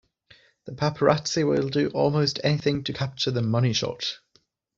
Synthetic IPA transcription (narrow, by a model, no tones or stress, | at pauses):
ðəpʰapʰəɹatsɪwɪlˠdəʔɔːlˠmoʊstʰɛnɪθɪ̃ŋtʰəkʰap̚t͡ʃəðəmʌñɪʃɒ̰t